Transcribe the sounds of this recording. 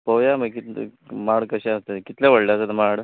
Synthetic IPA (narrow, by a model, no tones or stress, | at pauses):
pəjaməkit̪maɽkəɕẽəst̪ekit̪laʋəɽleəsət̪maɽ